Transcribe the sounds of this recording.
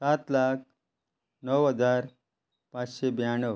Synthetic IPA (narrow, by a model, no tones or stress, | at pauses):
sat̪lak̚ʰ | nəwɦəd͡zaɾ | pãt͡sɕebjaɳəʋ